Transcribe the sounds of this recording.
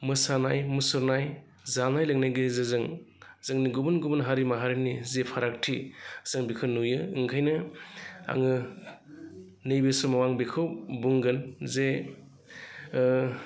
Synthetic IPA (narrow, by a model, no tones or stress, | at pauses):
mɯsanajmɯsɯɾnaj | zanajlɯŋnajɡɯzezɯŋzɯŋniɡubɯnɡubɯnɦaɾimaɦaɾinizepʰaɾak̚tʰizɯŋbikʰɯnujɯɯŋkʰajnɯ | a̰ŋɯ | nɯjbesɯmawaŋbekʰɯwbuŋɡɯnze